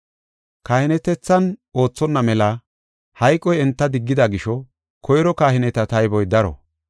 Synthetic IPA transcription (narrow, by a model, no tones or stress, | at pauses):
kaːhɪnɛt̪ɛt͡sːɐno̞ːt͡sːɔnːɐmɛlɐ | hɐjkʼːɔjɛnt̪ːɐd̪ɪɡːɪd̪ɐɡɪʃɔ | kʰɔjɾɔkaːhɪnɛt̪ɐt̪ɐjbɔjd̪ɐɾɔ̰